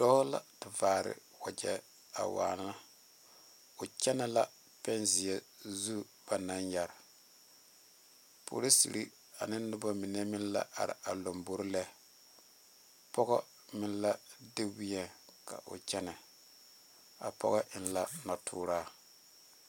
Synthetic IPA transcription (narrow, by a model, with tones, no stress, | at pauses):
d̥ɔ˦la̰˦tɪ˨vaː˨ɾɪ̰˨ | wa˨d͡ʒɛ̰˦ | a̰˨wa̰ː˨n˦a˦ | o˨t͡ʃɛ˦nɛ˦la˦ | pɛ˦nzɪ˨ɛ˨ | zu˦ | b̥a˨na˦nja˨ɾɪ˨ | pʰo̰˨ɾi˦sḭ˨ɾḭ˦ | a̰˨nɪ˦n˦nʊ˦ba˦mi˨ne˦mɪ˦n˦la̰˦ʔa˨ɾɪ̰˨ʔa˨lo˨mbo˨ɾɪ˦lɛ˦ | pɔ˦ɡɔ˦ | mɪ˦n˦la˦dɪ˦wi˦jɛ˦ka̰˨ʔo̰˨t͡ʃɛ˦nɛ˨ | a̰˨pɔ̰˦ɣa˦ʔɪ˨n˦la˦nɔ˨tʰuː˦ɾaː˦